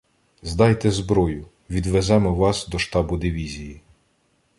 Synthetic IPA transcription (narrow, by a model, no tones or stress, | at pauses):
zd̪ɑjt̪ɛzbɾɔjʊ | ʋʲid̪ʋezɛmɔʋɑsd̪ɔʃt̪ɑbʊd̪ɪʋʲizʲiji